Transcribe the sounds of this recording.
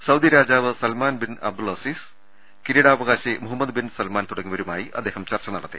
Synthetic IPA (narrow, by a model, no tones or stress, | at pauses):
sɐwd̪ʱjɐɾaːd͡ʑaːʋɨsɐlmaːnbinɐ̰b̚d̪ulɐsiːs | kiɾijɽaːʋɐɣaːɕemuɦɐmːɐd̪binsɐlmaːnt̪uɽɐŋːiʋɐɾumaːjiʔɐ̰d̪ːeːhɐmt͡ɕɐrt͡ɕɐnɐɽɐt̪ːɨ